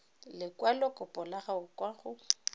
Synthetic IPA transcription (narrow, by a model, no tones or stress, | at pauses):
lɪkʼwalɔkʼʊpʼɔlaχaʊkwaχʊ